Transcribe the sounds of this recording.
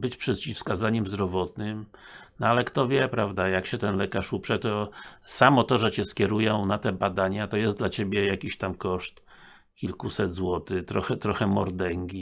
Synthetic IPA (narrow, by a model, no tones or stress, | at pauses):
bɘt͡ɕpʂɛt̪t͡ɕifskazaɲɛmzd̪ɾɔvɔt̪̚nɘmnɔalɛkt̪ɔvʲjɛpɾavd̪ajakɕɛt̪ɛnlɛkaʂupʂɛt̪ɔsamɔt̪ɔʐɛt͡ɕɛskʲjɛɾujɔ̃w̃nat̪ɛbad̪aɲat̪ɔjɛsd̪lat͡ɕebʲjɛjakʲiɕt̪amkɔʂt̪ | kʲilkusɛd̪zwɔt̪ɘt̪ɾɔxɛt̪ɾɔxɛmɔɾd̪ɛŋɡʲi